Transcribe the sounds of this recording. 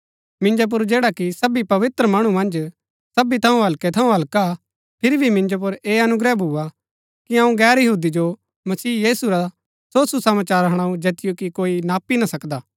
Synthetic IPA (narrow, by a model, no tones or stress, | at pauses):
mɪ̃nd͡ʒop̬ʊɾd͡ʒeːɽakisɐbipɐʋɪt̪ɾəmɐɽ̃umɐ̃nd͡ʒ | sɐbit̪ʰɐũɦɐlkɛt̪ʰɐũɦɐlka | pʰɪɾibʱimɪ̃nd͡ʒop̬ʊɾeːɐnʊɡɾɛbʱua | kiɐ̃ːũɡɛːɾjɐɦuːd̪id͡ʒo | mɐsiːjiːsuɾa | soːsusɐmaːt͡ʃaːɾɦɐɽ̃aːũd͡ʒeːt̪ɪjokikoːinaːpinasɐkd̪aː